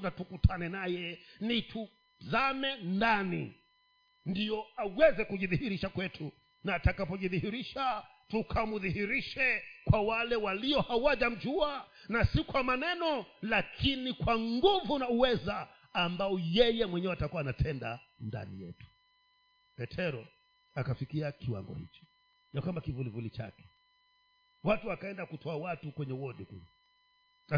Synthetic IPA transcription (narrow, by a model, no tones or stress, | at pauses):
natukutʰanɛnajɛnitʰu | zamɛndanḭ | ndijɔawɛzɛkuʄiðihiɾiʃakwɛtʰu | naːtakapɔʄiðihiɾiʃa | tukʰamuðihiɾiʃɛkwawalɛwaliɔhawaʄam̩d͡ʒua | nasikwamanɛnɔlakʰinikwaŋɡuvunauwɛzaː | mbaɔjɛjɛmwɛɲɛɔatakuanatʰɛnda | nda̰nḭjɛ̰tu̥ | pɛtʰɛɾɔ | akafikiakiwa̰ŋɡɔ̰hḭt͡ʃɔ̥ | jakwambakivulivulit͡ʃa̰kɛ̥ | watuakaɛndakutʰɔawatukwɛɲɛwɔdikṵla | a